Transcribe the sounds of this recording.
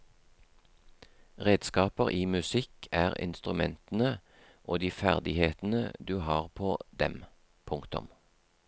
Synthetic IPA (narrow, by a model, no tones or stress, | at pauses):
ʁeːd̪skɑːpəʁʔiːmʉsɪkʰæːʁɪ̰nst̪ʁʉmɛnt̪n̩ə | ʔoːd̪iːfæʁd̪ɪheːt̪n̩ə̰d̪ʉːhɑːʁpʰoːd̪ɛ̰m | pʰʊŋkt̪ʊ̰m